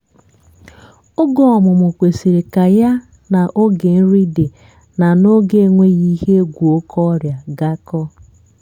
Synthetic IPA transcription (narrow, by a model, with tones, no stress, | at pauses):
o˦ɡɔ˦˨ɔ˨mʊ˨mʊ˨kʷe˨si˨ɾe˨ka˨ja˦ | na˨ʔo˦ɡe˨n̩˦ɾi˦de˨ | na˨no˦ɡe˦ŋʷe˦ɣi˦ɦe˦ɡʷu˨o˦kʰɔ˦ɾja˨ɡa˦kɔ˦